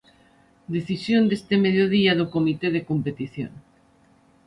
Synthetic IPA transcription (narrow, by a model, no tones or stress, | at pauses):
d̪eθisjond̪est̪emeðjoðiaðokomit̪eð̞ekompet̪iθjo̰ŋ